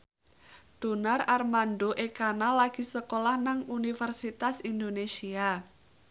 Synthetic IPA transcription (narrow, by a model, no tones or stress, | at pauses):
d̪̥o̤nararmandoʔekanalaɡ̥i̤səkolahnaŋunifərsit̪asindonesia